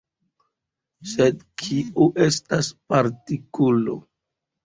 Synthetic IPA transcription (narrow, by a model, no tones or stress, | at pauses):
sedkʰiuʔe̞staspaɾtikulo̰